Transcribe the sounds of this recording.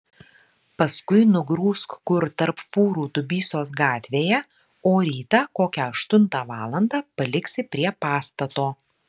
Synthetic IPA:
pɐskʊɪnʊɡɾuːskkʊɾt̪ɐɾpfuːɾuːt̪ʊbʲiːsoːsɡɑːt̪ʲʋʲeːjɛ | oːɾʲiːt̪ɑːkoːkʲɛɐʃt̪ʊnˑt̪ɑːʋɑːlˠɐnd̪ɑːpɐlʲɪksʲɪpʲɾʲiɛpɑːst̪ɐt̪oː

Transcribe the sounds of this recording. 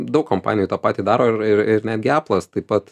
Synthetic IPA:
d̪ɐʊkkompɑ̰ːnʲɪjuːt̪oːpɑːt̪ʲiːd̪ɑːɾoːɪɾɪɾɪɾnʲæːd̪ɡʲɑːplˠɐst̪ɐɪppɐt̪

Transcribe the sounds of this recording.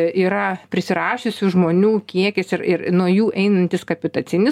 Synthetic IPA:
iːɾɐpʲɾʲɪsʲɪɾɑːʃʲʊsʲʊʒmoːnʲuːkʲiɛkʲɪsɪrɪɾnuɔjuːʔɛɪnɐnʲt̪ʲɪskɐpʲɪt̪ɐt͡ssʲɪnʲɪ

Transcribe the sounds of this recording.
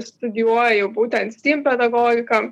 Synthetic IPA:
st̪ʊd̪ʲɪjuɔjɛjɛʊbuːt̪ʲɛnt̪st̪ʲiːmpʲɛd̪ɐɡɔːɡʲɪkɐm

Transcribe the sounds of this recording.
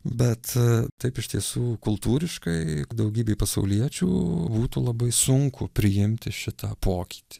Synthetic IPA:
bʲɛt̪t̪ɐɪpɪʃt̪ʲiɛsuːkʊlˠt̪uːɾʲɪʃkɐɪd̪ɐʊɡʲiːbʲeːpɐsɐʊlʲiɛt͡ʃʲṵːbuːt̪ulˠɐbɐɪsʊŋkʊpʲɾʲɪjɪmʲt̪ʲɪʃʲɪt̪ɐpʰoːkʲi̥ːt̪ʲi̥

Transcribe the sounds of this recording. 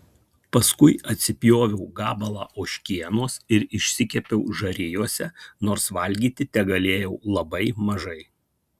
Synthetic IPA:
pɐskʊɪɐt̪ʲsʲɪpʲjoːʋʲɛʊɡɑːbɐlˠɑ̰ːʔoːʃʲkʲiɛnoːsɪɾɪʃʲsʲɪkʲɛpʲɛʊʒɐɾʲɪjuɔsʲɛnoːɾsʋɐlʲɡʲiːt̪ʲɪt̪ʲɛɡɐlʲeːjɛʊlˠɐbɐɪmɐʒɐɪ

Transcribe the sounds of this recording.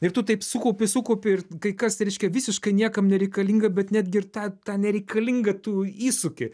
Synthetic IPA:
ɪrt̪ʊt̪ɐɪpsʊkɐʊpʲɪsʊkɐʊpʲɪɪrkɐɪkɐsɾʲɛɪʃʲkʲɛʋʲɪsʲɪʃkɐɪnʲiɛkɐmnʲɛɾʲɛɪkɐlʲiːŋɡɐbʲɛt̪nʲæːd̪ʲɡʲɪɪrt̪ɑːt̪ɑːnʲɛɾʲɛɪkɐlʲiŋɡɐt̪uːiːsʊkʲɪ

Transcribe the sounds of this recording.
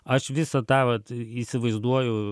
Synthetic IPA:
ɐʃʋʲɪsɐt̪ɑːʋɐt̪isʲɪʋɐɪzd̪uɔjʊ

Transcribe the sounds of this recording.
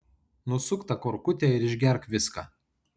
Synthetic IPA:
nʊsʊkt̪ɐkoɾkʊt̪ʲɛɪɾɪʒʲɡʲɛɾkʋʲɪskɑ̰ː

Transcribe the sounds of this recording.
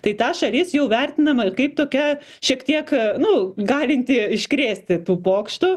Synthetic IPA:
t̪ɐɪt̪ɑːʃɐlʲɪsjɛʊʋʲærʲt̪ʲɪnɐmɐɪkɐɪp̚t̪oːkʲɛ | ʃʲiɛkt̪ʲiɛknʊɡɑːlʲɪnʲt̪ʲɪɪʃʲkɾʲeːsʲt̪ʲɪt̪uːpoːkʃt̪uː

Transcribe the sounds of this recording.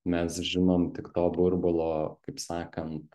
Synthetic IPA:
mʲɛsʒʲɪnoːmt̪ʲɪkt̪oːbʊɾbʊlˠoːkɐɪpsɑːkɐnt̪

